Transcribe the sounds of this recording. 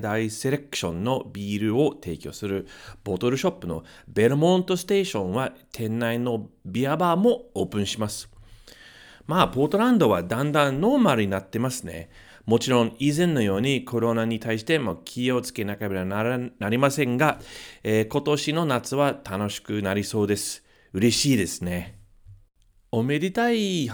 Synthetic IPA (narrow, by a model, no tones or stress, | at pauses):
d̪aise̞ɾe̞kɯ̟̥ɕõ̞nːo̞bʲiːɾɯ̟o̞t̪e̞̰ːkʲo̞ːsɨɾɯ̟b̥o̞t̪o̞ɾɯ̟ɕo̞pːɯ̟no̞̰ | be̞ɾɯ̟mõ̞nt̪o̞sɨ̥t̪e̞ːɕõ̞ɰ̃βat̪ʰẽ̞nːaino̞bʲiabaːmo̞o̞ːpɯ̟̃ɰ̃ɕimasɨ̥ | maːbo̞ːt̪o̞ɾãnd̪o̞βad̪ãnd̪ãnːo̞ːmaɾɯ̟ɲ̟inat̪ːe̞masɨne̞̰ | mo̞t͡ɕiɾõ̞ŋizẽ̞nːo̞jo̞ːɲ̟ikʰo̞ɾo̞naɲ̟it̪aiɕi̥t̪e̞moːkʲʰio̞t͡sɨ̥ke̞nakabeɾannaɾʲimasẽ̞ŋɡaeːko̞t̪o̞ɕino̞nat͡sɨβat̪ano̞ɕi̥kɯ̟naɾʲiso̞ːd̪e̞sɨ̥ | ɯ̟ɾe̞ɕiːd̪e̞sɨne̞ | o̞meɾʲit̪ai